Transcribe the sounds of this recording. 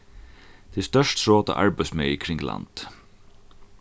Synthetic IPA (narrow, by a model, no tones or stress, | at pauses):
d̪̥iːst̪œʃtsɹoːt̪ɑ̰ːʔɑ̰ɹbæɪsmœʏkʰɾɪŋlɑ̰nd̪̥